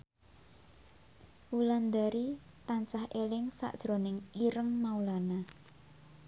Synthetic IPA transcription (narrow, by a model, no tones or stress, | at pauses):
wuland̪aɾi | t̪ant͡ʃahʔelɪŋsa̰ʔd̥ʒ̥ɾo̤nɪŋiɾəŋmaulana